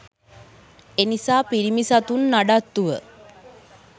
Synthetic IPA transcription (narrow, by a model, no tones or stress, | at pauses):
enisaːpiɾimisat̪unːaɖat̪ːuʋə